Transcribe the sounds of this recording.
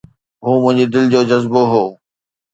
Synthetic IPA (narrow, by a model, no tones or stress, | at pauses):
ɦuːmʊ̃ɦɪ̃ɲd͡ʑid̪ɪld͡ʑoːd͡ʑɐzboɦoː